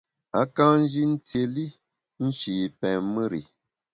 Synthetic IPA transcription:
a̰˨˦kã˦n̩˦d͡ʒi˦n̩˦te˨li˦ | n̩˦t͡ʃi˨pɛ̃˨mɨ˦ɾḭ˨

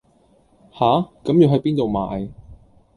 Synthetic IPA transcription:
haː˨˥kɐ˨˥mji˨˧wɦɐ˨˥jpiː˥nt̪o˨wma̰ː˨˧j

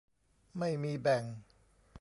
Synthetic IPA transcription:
ma˥˩jmiː˧bɛ˨˩ŋ

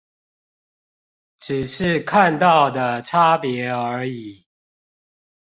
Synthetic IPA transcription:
ʈ͡ʂɻ̩˨˩ʂɻ̩˥˨kʰa˥˨nt̪ɑ˥˨ʊd̪ə˩ʈ͡ʂʰa˦pjɛ˧˦ə˨˧˥i˨˩˦

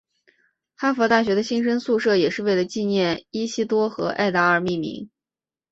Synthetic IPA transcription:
xa˥fɔ˧˥t̪a˥˩ɕ̬ɥɛ˧˥d̪ə˧ɕi˥nʂə˥nsu˥˧ʂɤ˥˩jɛ˨˩ʂɻ̩˥˧we˥˩ɪlə˩t͡ɕi˥˧njɛ˥˩ni˥ɕi˥t̪wɔ˥xɤ˧˥ʔa̰˥˩ɪt̪a˧˥ə˞˥˩mi˥˩mḭ˧˥ŋ

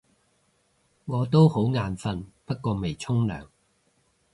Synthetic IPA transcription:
ŋɔː˨˧t̪̬o˥who˨˥wŋaː˨˧nfɐ˧npɐ˥t̚kɔː˧me˨jt͡sʰʊ˥ŋlœ̰ː˨˩ŋ

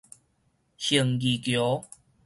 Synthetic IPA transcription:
ɕi˨˩ŋɡi˨kjo˨˦

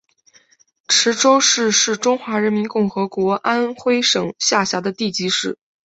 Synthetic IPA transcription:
ʈ͡ʂʰɻ̩˧˥ʈ͡ʂo˥ʊʂɻ̩˥˧ʂɻ̩˥˩ʈ͡ʂʊ˥ŋxwa˧˥ɻə˧˥nmi˧˥nkʊ˥˩ŋxɤ˧˥kwɔ˧˥ʔa˥nxwe˥ɪʂɤ˨˩ŋɕja˥˩ɕja˧˥d̪ə˧t̪i˥˩t͡ɕi˧˥ʂɻ̩˥˩˦

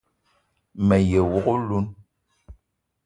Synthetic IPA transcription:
mɛ˨je˨wɔ˦˨ɣo˦lu˦n

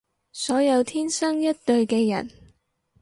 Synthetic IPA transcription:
sɔː˨˥jɐ˨˧wt̪ʰiː˥nsɐ˥ŋjɐ˥t̚t̪ɵ˧ɥkɛː˧jɐ̰˨˩n

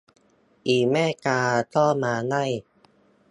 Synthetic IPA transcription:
ʔiː˨˩mɛː˥˩˨kaː˧t̪ɔː˥˩maː˧na˥˩j

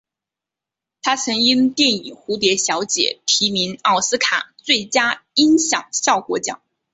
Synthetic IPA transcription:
t̪ʰa˥t͡sʰɤ˧˥ŋi˥nt̪jɛ˥˩ni˨˩ŋxu˧˥t̪̬jɛ˧˥ɕjɑ˧˥ʊt͡ɕjɛ̰˨˩˦t̪ʰi˧˥mi˧˥nɑ˥˩ʊsɹ̩˥kʰa̰˨˩t͡swe˥˩ɪt͡ɕja˥i˥ŋɕjɑ̰˨˩ŋɕjɑ˥˩ʊkwɔ˧˥t͡ɕjɑ̰˨˩˦ŋ

